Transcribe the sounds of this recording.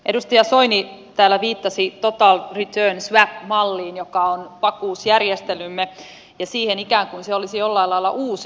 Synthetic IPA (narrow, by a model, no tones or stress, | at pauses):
ʔedust̪ɑjɑsoinit̪æːlːæʋiːt̪ːɑsit̪ot̪ɑːlrit̪øːnsʋæpmɑlːiːnjokɑonpɑkuːsjærjest̪elymːe | jɑsiːhenikæːŋkunseolisijolːɑilːɑilːɑ̰ʔuːs